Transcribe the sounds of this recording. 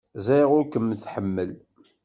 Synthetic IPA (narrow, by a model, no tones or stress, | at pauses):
zæjʁʊɾkəmːθħəmːəl